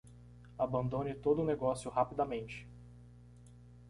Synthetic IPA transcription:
abɐ̃nd̪õnɪt̪od̪ʊneɡɔsjʊhapid̪ɐmẽnt͡ʃɪ̥

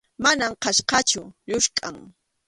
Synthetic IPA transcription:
manamqɑʃqɑt͡ʃʊʎʊʃkʼa̰ŋ

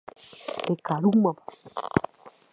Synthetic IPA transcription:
ekaɾumaba

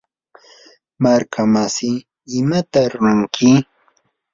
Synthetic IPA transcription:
maɾkʰamasɪ | ɪmat̪aɾɾʊŋkʰɪ

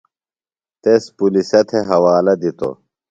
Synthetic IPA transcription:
t̪espulisɐt̪ʰeɦɐwaːlɐd̪it̪o̰

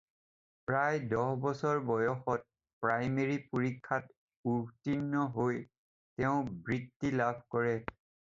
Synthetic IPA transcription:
pɹajdɔhbɔsɔɹbɔjɔxɔt̚ | pɹajmeɹipoɹikʰːat | uɹtinːɔɦoj | tɛʊ̃bɹitːilabʱkɔɹɛ

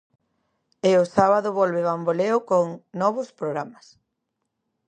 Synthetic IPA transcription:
eosaβaðʊβɔlβeβamboleʊkoŋnɔβ̞ʊspɾoɣɾamɐs

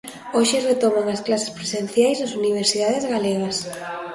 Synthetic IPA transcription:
oʃeret̪omaŋasklase̥spɾesen̟θjajznasuniβ̞eɾsiðaðezɣaleɣɐs

